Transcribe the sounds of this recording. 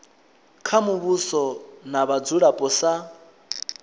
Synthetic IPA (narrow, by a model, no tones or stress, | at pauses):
kʰamuβusɔnaβad͡zuɺapʼɔsa